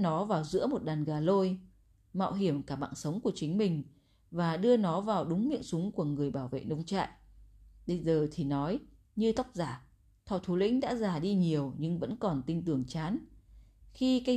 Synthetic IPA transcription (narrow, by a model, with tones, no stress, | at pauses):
nɔ˨˦vaː˨˩wzɨ̰˧˥mo˨˩t̚ɗaː˨˩nɣaː˨˩lo˧j | ma̰ː˧˨wɦi˧˩əmkaː˧˩ɓa̰ː˧˨nsə˨˦wŋ͡mku˧˩ət͡ɕï˨˦ŋ̟mï˨˩ŋ̟ | vaː˨˩ɗɨ˧ənɔ˨˦vaː˨˩wɗʊ˨˦ŋ͡mmḭ˧˨əŋsʊ˨˦ŋ͡mku˧˩əŋɨ˨˩əjɓaː˧˩wvḛ˧˨nə˧wŋ͡mt͡ɕa̰ː˧˨jʔɓə˧jzəː˨˩t̪ʰi˨˩nɔ˨˦j | ɲɨ˧t̪ə˦˥wk͡p̚zaː˧˩ | t̪ʰɔ˨˩t̪ʰu˨˦lḭ̈˧˥ŋ̟ɗa̰ː˧˥zaː˨˩ɗi˧ɲi˨˩əwɲɨ˧ŋvə̰˧˥nkɔ˨˩nt̪i˧ŋt̪ɨ˨˧˩əŋt͡ɕaː˨˦n | xi˧ka˧